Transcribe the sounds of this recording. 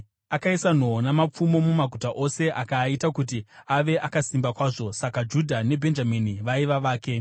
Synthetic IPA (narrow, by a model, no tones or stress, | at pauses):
akaisan̤onamap͡fumo̞mumaɡʱutaʔo̞se̞ʔakaitakut̬iaʋe̞ʔakasimbakwaːʐo̞sakad͡ʒudʱane̞bʱe̞nd͡ʒaminiʋaiʋaʋaːke̞